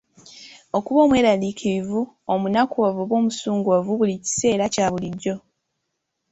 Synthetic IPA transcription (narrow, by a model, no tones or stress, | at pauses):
o̞kuβo̞ːmwe̞ːɾalikʰiɾivu | omunakuwavuβwo̞ːmusuːŋɡuwavuβulici̥se̞ːɾacaːβuliɟːo̞